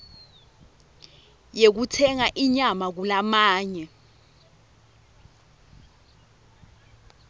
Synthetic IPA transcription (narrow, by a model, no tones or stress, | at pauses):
jek̬utʰɛŋaʔiɲamak̬ulamaːɲɛ